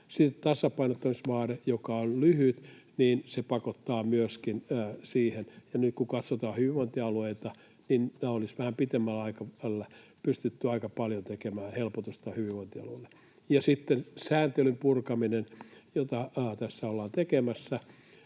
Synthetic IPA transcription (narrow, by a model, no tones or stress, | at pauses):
sit̪ɑsɑpɑinot̪ːɑmisʋɑːrejokɑollyhyt̪niːnsepɑkot̪ːɑːmyøskinːsiːhenjɑnyt̪̚kukɑt̪sot̪ɑːhyʋiʋoĭnt̪iɑlueit̪ɑ | ninnæolisʋæhæmpit̪emːælːɑikɑælːæpyst̪yt̪ːyɑikɑpɑljont̪ekemæːnhelpot̪ust̪ɑhyʋiʋoˑint̪iɑ̰luilːe | jɑsit̪ːensæːnt̪elympurkɑminenjot̪ɑt̪æsːæolːɑːnt̪ekemæsːæ